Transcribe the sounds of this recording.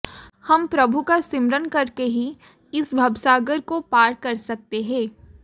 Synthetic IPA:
hɐmpɾɐbʱukasɪmɾənkɐɾkeɦi | ɪsbʱɐbsaːɡəɾkopaːɾkɐɾsɐk̚t̪eɦɛ̃ː

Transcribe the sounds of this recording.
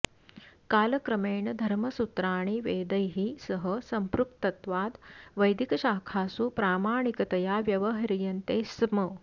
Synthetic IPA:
kaːlɐkɾɐmeːɳɐd̪ʱɐɾmɐsut̪ɾaːɳ̃iʋeːd̪ɐjɦisɐɦəsɐmpɾuk̚t̪ɐt̪ʋaːd̪ʋɐjd̪ʱikɐɕaːkʰaːsupɾaːmaːɳ̃ikɐt̪ɐjaːʋjɐʋɐɦɐɾijɐnt̪eːsmɐ

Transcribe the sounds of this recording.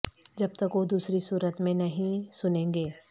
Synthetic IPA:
d͡ʒɐb̚t̪ɐkʋod̪uːsɾisuːɾət̪mẽnɐɦĩsʊnẽːŋɡeː

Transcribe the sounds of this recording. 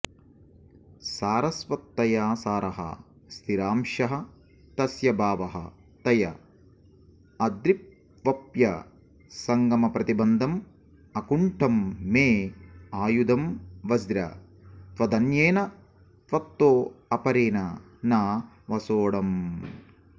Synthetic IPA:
saːɾɐsʋɐt̪ːɐjaːsaːɾɐɦɐ̰ | st̪ʰiɾaːmʃɐɦɐ̆ | t̪ɐsjɐbaːʋɐɦɐ̰ | t̪ɐjɐ | ɐd̪ɾip̚ | ʋɐpjɐ̰ | sɐŋɡɐmɐpɾɐt̪ibɐnd̪ʱɐm | ɐkuɳʈʰɐmːeːaːjud̪ɐmʋɐzɾɐ̰ | t̪ʋɐd̪ɐnjeːnɐ | t̪ʋɐt̪ːoːɐpɐɾeːnɐ | naː | ʋɐsoːɽɐm

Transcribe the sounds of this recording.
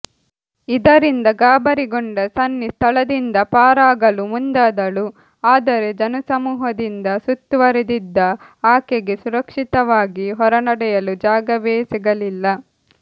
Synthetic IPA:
id̪ɐɾind̪ɐɡaːbɐɾiɡoɳɖɐsɐnːist̪ʰɐɭɐd̪ind̪ɐpaːɾaːɡɐlumund̪aːd̪ɐlu | aːd̪ɐɾe̞d͡ʒɐnɐsɐmuːɦɐd̪ind̪ɐsut̪ːuʋɐɾed̪id̪ːɐ | aːkeɡe̞suɾɐkʂit̪ɐʋaːɡiɦɔɾɐnɐɽɛjɐlud͡ʒaːɡɐʋeːsiɡɐlilːɐ

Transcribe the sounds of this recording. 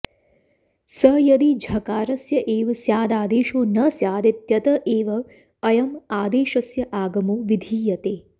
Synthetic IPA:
sɐjɐd̪id͡ʒʱɐkaːɾɐsjɐʔeːʋɐsjaːd̪aːd̪eːʃoːnɐsjaːd̪ɐt̪jɐt̪ɐʔeːʋɐː | jɐmaːd̪eːʃɐsjɐʔaːɡɐmoːʋid̪ʱiːjɐt̪eː

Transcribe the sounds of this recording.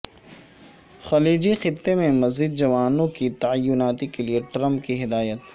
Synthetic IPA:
xɐliːd͡ʒixɪt̪ːemẽmɐziːd̪̚d͡ʒɐʋaːnõkit̪ɐajːʊnaːt̪ikelieʈɾɐ̃mp̚kiɦɪd̪aːjət̪

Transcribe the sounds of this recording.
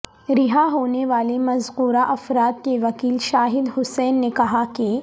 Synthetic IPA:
ɾɪɦaɦoːneʋaːlemɐzquːɾaʔɐfɾaːt̪̚keʋɐkiːlʃaːɦɪd̪ɦʊsɛːnːekɐɦake

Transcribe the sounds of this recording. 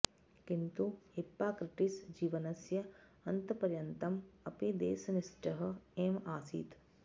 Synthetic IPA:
kint̪uipːaːkɾɪʈisd͡ʒiːʋɐnɐsjɐɐnt̪ɐpɐɾjɐnt̪ɐmɐpid̪ḛːsɐniʃʈɐɦɐ̆eːmaːsḭːt̪

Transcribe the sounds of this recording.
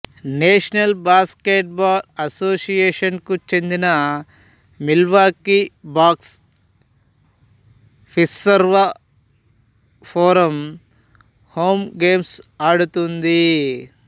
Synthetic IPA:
neːʂɐnɐlbaːskeːʈ̚baːlɐsoːsijeːʂɐnkut͡ʃe̞nd̪inɐ | milʋaːkibaːks | pʰissɐɾʋɐ | pʰoːɾɐm | hoːmɡeːmsaːɽut̪und̪i

